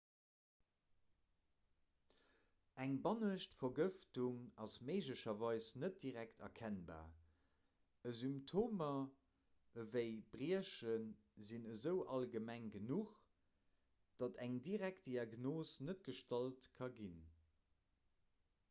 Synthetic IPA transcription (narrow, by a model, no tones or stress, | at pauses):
æŋbɑnəʃtfɐɡəftuŋɑsmeɪʒləʃɐvɑɪsnət̚diʁæktʰɐ̰kʰænba̰ː | əzymptʰoːmɐ | əvəɪbʁiəʃən | zinəzəʊʔɑlɡəmæŋɡənuχ | d̥ɑtæŋdiʁæk̚t̚d̥iɑɡnoːsnət̚ɡ̥əʃtɑltkʰɑɡin